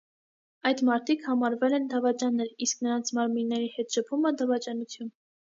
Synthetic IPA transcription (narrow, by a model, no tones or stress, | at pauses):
ɑjd̪mɑɾt̪ʰikʰhɑmɑɾvɛlɛnd̪ɑvɑt͡ʃɑnːɛɾisknəɾɑnt͡sʰmɑɾminːɛɾihɛt̪ʃəpʰuməd̪ɑvɑt͡ʃɑnut͡sʰjun